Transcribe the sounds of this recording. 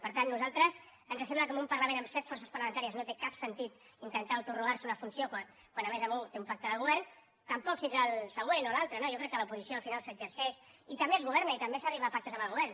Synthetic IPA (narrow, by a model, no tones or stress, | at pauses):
pəɾt̪anːuzalˠt̪ɾəz | ənzəsemləkomumpəɾləmẽnəmsɛt̪fɔrsəspɐrləmənt̪aɾiəznot̪ekapsənt̪it̪ | int̪ənt̪awt̪uruɣaɾsunəfunsiokwan | kwanəmezəmut̪eumpak̚t̪əðəɣuβɛrn | t̪əmpɔksinzəlˠsəɣ̞wenolalˠt̪ɾənoʒokɾɛkːələupuzisjoəlˠfinalˠsəɡzəɾsɛʃit̪əmbeezɣuβɛɾnəit̪əmbesəriβaːpak̚t̪əzəmbəlɣuβɛrn